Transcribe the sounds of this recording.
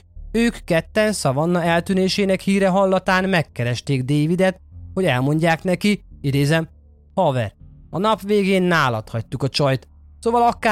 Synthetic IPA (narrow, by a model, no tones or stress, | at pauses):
øːkːɛt̪ːɛnsɒvɒnːɒɛlt̪yneːʃeːnɛkhiːɾɛɦɒlːɒt̪aːnmɛkːɛɾɛʃt̪eːɡd̪eːvid̪ɛt̪ho̞ɟɛlmo̞ɲɟaːknɛkiid̪eːzɛm | hɒvɛ̰rɒnɒpʋeːɡeːnːaːlɒt̪hɒc̚t̪ukɒt͡ʃɒjt̪ | soːvɒlɒkaː